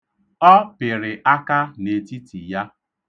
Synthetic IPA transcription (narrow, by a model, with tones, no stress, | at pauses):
ɔ˦pɪ˨ɾɪ˨ʔa˦ka˦ne˨ti˦ti˨ja˦